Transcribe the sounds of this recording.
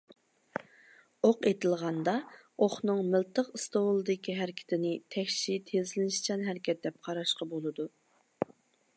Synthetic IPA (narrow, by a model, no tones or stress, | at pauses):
oqet̪ʰɪlˠʁɑnd̪ɑoχnɨŋmɪlt̪ʰəqɨst̪owlˠɨd̪ɪkʲiɦæɾɪkʲʰɪ̥t̪ʰɪnɪt̪ʰɛkʲʃit̪ʰezɪlnɪʃt͡ʃʰɛnɦɛɾɪkʲʰɛt̪̚d̪ɛp̚qʰɑɾɑʃqɑbolˠɨd̪u